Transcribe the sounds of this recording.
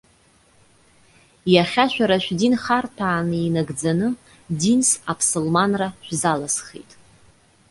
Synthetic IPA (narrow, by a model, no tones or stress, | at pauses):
jaχʲaʃʷᶣaɾaʃᶣdinχartʰaːnɨinaɡd͡zanɨ | dinsapʰsolmanraʃᶣʷzalasχḛjtʼ